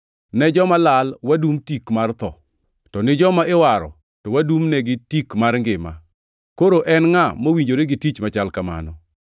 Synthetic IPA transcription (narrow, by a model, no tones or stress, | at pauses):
nɛd͡ʒɔmalalwadumtikmart̪ɔ̰ | tɔnɪd͡ʒɔmaɪwaɾɔ̰ | tɔwadumnɛɡɪtikmarŋɡɪma̰ | koɾoʔɛnŋamowiɲd͡ʒoɾeɡɪtit͡ʃmat͡ʃalkama̰nɔ